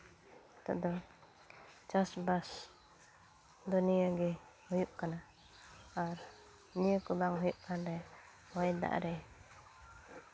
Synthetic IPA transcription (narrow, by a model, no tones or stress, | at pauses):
t̪a̰ʔd̪ɔ | t͡ʃasbas | d̪ɔnijaɡɛ | hujuʔkanaː | ɾ | nijəkubaŋɦɔjuʔkanɾɛ | wajd̪a̰ʔɾɛ